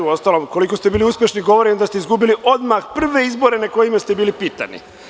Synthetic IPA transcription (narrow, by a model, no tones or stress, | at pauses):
uo̞st̪alomko̞liko̞st̪e̞biːliuspje̞ʃniɡo̞ʋo̞ɾind̪ast̪eizɡubiliʔo̞d̪maxpr̩ʋe̞izbo̞ɾe̞nako̞jimest̪e̞biːlipiːt̪a̰nḭ